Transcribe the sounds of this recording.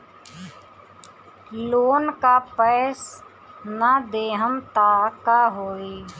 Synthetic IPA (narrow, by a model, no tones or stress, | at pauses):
loːnkapəːs | nad̪eːɦəmt̪aːkaɦoːiː